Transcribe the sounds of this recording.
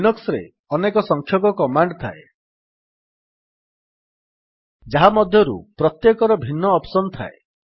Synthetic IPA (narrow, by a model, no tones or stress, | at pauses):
nɔksɔɾe | ɔnekɔsɔŋkʰjɔkɔkɔmaɳɖt̪ʰae | d͡ʒaɦamɔd̪ʱjɔɾṵpɾɔt̪jekɔɾɔbʱinːɔːpsɔnɔt̪ʰa̰e